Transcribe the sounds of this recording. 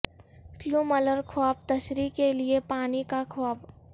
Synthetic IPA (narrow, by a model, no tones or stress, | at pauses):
kluːmələɾkʰwaːp̚t̪ɐʃɾikeliepaːnikakʰwaːb